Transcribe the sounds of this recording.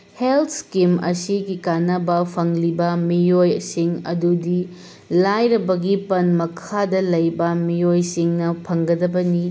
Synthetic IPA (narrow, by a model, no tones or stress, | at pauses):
heltʰskimɐ̰siɡikanɐbɐpʰɐŋlibɐmijojsiŋɐ̰dudi | lajɾɐbɐɡipɐnmɐkʰadɐlɐjbɐmijojsiŋnɐpʰɐŋɡɐdɐbɐni